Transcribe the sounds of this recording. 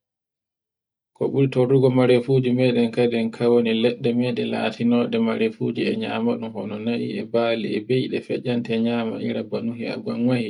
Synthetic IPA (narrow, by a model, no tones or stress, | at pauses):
kɔɓuɾitoɾuɡɔmaɾefuːd͡ʒimɛːɗɛnkaɗɛnkʰawonilɛɗːɛmɛɗɛla̰ːtinɔːɗɛmaɾefuːd͡ʒiɛɲa̰ːmaɗumhɔnɔnaʔiɛbaːliɛbejɗɛfɛ̰d͡ʒantɛɲaːma̰ʔḭɾabanuɦia̰ɡanwaji